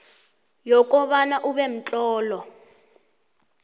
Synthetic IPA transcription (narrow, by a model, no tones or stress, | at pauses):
jɔkʼɔβanaʔuβɛm̩t͡ɬʼɔːlɔ